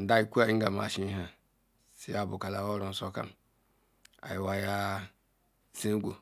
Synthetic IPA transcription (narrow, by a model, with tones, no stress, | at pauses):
n̩˨da˦i˦ku˦a˨˦ŋ̩˦ɡa˨ma̰˨ʃĩ˦ɦã˨ | si˨ja˨bʊ˨ka˨la˨wɔ˦ɾɔ̃˨n˨sɔ˦kã̰˨m | a̰˨jɪ˨wa˦ja˦ | sẽ˦ɡʷu˨